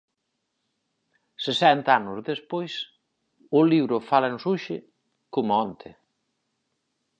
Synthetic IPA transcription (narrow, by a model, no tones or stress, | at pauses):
sesɛnt̪aanʊzðespojs | ʊliβɾʊfalansuʃɪ | komʊɔnt̪ʰɪ